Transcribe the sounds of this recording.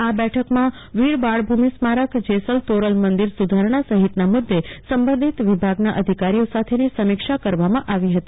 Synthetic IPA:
abɛʈʰəkmã | ʋiɾbaɭbʱumismaɾəkd͡ʒesəlt̪oɾəlmənd̪iɾsud̪ʱaɾɳ̃asəɦit̪namʊd̪ːesəmbə̃nd̪ʱit̪ʋibʱaɡnaʔəd̪ʱikaɾijosat̪ʰenisəmikʃakəɾʋamãʔaʋiɦət̪i

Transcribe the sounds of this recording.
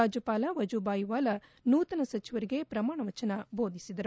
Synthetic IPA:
aːd͡ʒɐpaːlɐʋɐd͡ʒubaːjʋaːlɐnuːt̪ɐnɐsɐt͡ʃiʋɐɾiɡe̞pɾɐmaːɳɐʋɐt͡ʃɐnɐbo̞ːd̪ʱisid̪ɐɾ

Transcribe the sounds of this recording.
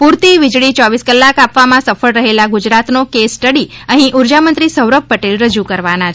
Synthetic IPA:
puɾt̪iʋɪd͡ʒɭit͡ʃɔʋiskəlːakapʋamãsəfəɭɾəɦelaɡud͡ʒɾat̪nokesːʈəɽiəɦĩʔuɾd͡ʒamənt̪ɾisəwɾək̚pəʈelɾəd͡ʒukəɾʋanat͡ʃʰ

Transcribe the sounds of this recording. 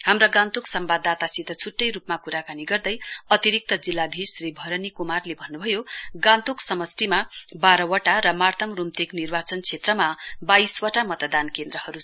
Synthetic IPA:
hamrʌɡãnt̪uksʌmbad̪ʱːat̪asit̪ʌt͡sʰuʈːʌjɾupmakuɾakaniɡʌrd̪ʌjʌt̪iɾik̚t̪ʌd͡zilːad̪ʱisribʱʌɾʌnikumarlebʱʌnːubʱʌjoɡãnt̪uksʌmʌsʈimabaɾʌwʌʈaɾʌmart̪ʰʌmrumt̪eknirbat͡sʌnt͡sʰet̪rʌmabajswʌʈamʌt̪ʌd̪ankend̪ɾʌhʌɾu

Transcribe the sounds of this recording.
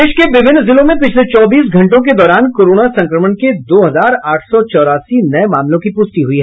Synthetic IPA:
eːʃkeʋɪʋʱɪnːzɪlõmẽpɪt͡ʃʰlet͡ʃɔːbiːsɡʱɐ̃ɳʈõk̬ed̪ɔːɾaːnkoːɾoːnasɐ̃ŋkɾəmənked̪oːɦɐzaːɾaːʈʰsɔt͡ʃɔːɾaːsinɐemaːmlõkipʊsʈ̪iɦʊiɦɛ

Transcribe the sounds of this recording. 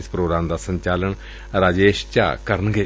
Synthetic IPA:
ɪspɾoːɡɾaːmd̪aːsə̃ɲt͡ʃaːləɳ | ɾaːd͡ʒeːʃt͡ʃa̰ːkəɾənɡeː

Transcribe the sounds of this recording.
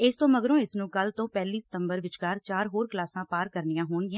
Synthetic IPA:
ɪst̪õːməɡɾõːɪsnũːkəlt̪õːpɛːliːsɪ̥t̪əmbəɾʋɪt͡ʃkaːɾt͡ʃaːɾɦoːɾklaːsãːpaːɾkəɾnɪjãːɦoːɳɡɪjãː

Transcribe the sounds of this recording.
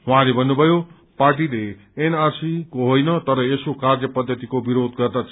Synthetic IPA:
ɦũɦãlebʱʌnːubʱʌjo | parʈ̬ile | enarsikoɦojnʌt̪ʌɾʌesokard͡zʌpʌd̪ʱːʌt̪ikobiɾod̪ɡʌrd̪at͡sʰ

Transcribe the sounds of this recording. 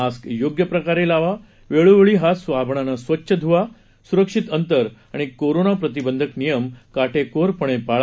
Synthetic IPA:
askjoɡjəpɾəkaɾelaʋa | ʋeɭuʋɭiːɦasʋabʱɳanasʋətːɕʰəd̪ʱuʋa | suɾəkʂit̪ənt̪əɾaɽ̃ikoɾonapɾət̪̬ibənd̪ʱəknijəmkaʈʰekoɾpəɳ̃epaɭ

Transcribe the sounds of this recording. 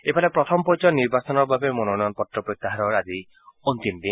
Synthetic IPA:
epʰalepɾɔt̪ʰɔmɔpɔjt͡ʃɔniɾbasɔnɔɾbʱabemɔnonɔɔnɔpɔʈɾɔpɾɔt̪ːaɦaɾɔɾad̪i | ont̪imd̪in

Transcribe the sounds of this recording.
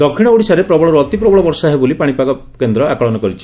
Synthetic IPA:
d̪ɔkʰːiɽ̃ɔuɽisaɾepɾɔbɔɭɔɾuɔt̪ipɾɔbɔɭɔbɔɾsaɦebolipaɽ̃ipakɔ | kend̪ɾɔakɔɭɔnɔkɔɾit͡ʃʰi

